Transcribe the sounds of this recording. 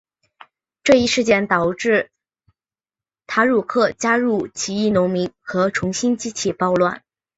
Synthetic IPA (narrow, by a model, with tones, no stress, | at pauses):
ʈ͡ʂɤ˥˧i˥˧ʂɻ̩˥˧t͡ɕjɛ˥˩nt̪ɑ˨˩ʊʈ͡ʂɻ̩˥˩ | t̪ʰa˧˥ɻu˥˩kʰɤ˥˩t͡ɕja˥ɻu˥˩t͡ɕʰi˧˥i˥˩nʊ˧˥ŋmi˧˥nxɤ˧˥ʈ͡ʂʰʊ˧˥ŋɕi˥nt͡ɕi˥t͡ɕʰi˥˩pɑ˥˧ʊlwa̰˥˩n